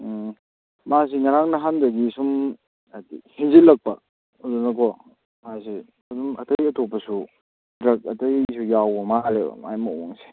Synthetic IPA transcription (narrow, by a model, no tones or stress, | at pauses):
mas̬iŋaɾaŋnɐɦandɐɡisum | adḭhinzilɐk̚pɐ | udunɐkʰɔ | mas̬i | ɐdumɐtɐjɐtʰopːɐsu | dɾɐk̚ɐtɐjsujawbɐmalebɐ̰majmɐwoŋsi̥